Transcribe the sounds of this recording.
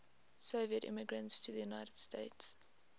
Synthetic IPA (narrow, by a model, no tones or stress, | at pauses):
soʊviətɪ̰̃mɪɡɹə̃ntstʰuðəjunaɪtəd̥steɪts